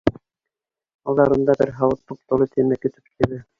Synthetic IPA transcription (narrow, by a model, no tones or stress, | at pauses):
ɑlˠd̪ɑɾɤ̆nd̪ɑbɘɾɦɑwɤt̪ːup̚t̪ŏlˠɤt̪ʰiɘ̆nækɵ̆t̪ɘ̥p̚t̪ʰɘ̆βɘ